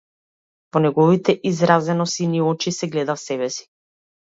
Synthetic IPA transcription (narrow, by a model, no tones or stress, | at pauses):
vɔnɛɡɔvit̪ɛʔizɾazɛnɔsiniɔt͡ʃisɛɡlɛd̪afsɛbɛsi̥